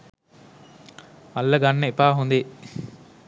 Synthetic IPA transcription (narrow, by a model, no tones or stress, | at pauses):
mɐlːɐɡanːəepaːɦund̪e